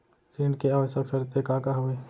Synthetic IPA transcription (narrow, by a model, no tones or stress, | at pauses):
siɳɖkeaʋəʃəksəɾt̪ekakaɦue